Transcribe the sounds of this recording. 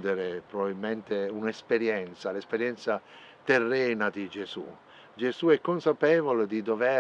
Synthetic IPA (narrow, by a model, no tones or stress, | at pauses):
d̪eɾepɾovabilment̪eunespeɾjɛnt̪salespeɾjɛnt̪sa | t̪erːɛːnad̪id͡ʒesṵ | d͡ʒezuɛkːonsapɛːvoled̪id̪ovɛ